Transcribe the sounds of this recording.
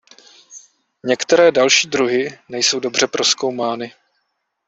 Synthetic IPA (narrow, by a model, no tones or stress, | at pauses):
ɲɛkt̪ɛɾɛːdalʃiːd̪ɾuɦɪnɛjso̞wdo̞br̝̥ɛpɾo̞sko̞wmaːnɪ